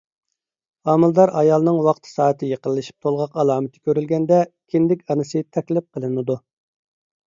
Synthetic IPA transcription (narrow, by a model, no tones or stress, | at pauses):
ɑːmɨlˠd̪ɑɾʔɑjɑlˠnɨŋwɑqt̪ʰɨ̥sɑːət̪ʰɪjeqəlˠːɨʃi̥p̚t̪ʰolˠʁɑqɑlˠɑːmɨt̪ʰɪ̥kʲʰøɾylɡʲɛnd̪ɛkʲʰɪnd̪ɪkʲɑnɨsɨt̪ʰɛkʲlɪp̚qʰəlˠɨnɨd̪u